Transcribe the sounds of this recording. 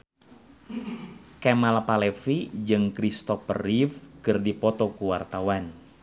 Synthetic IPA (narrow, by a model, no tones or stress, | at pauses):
kɛmalapalɛfid͡ʒɨŋkɾist̪ɔfə̰rifkɨrdipɔt̪ɔkuwart̪awan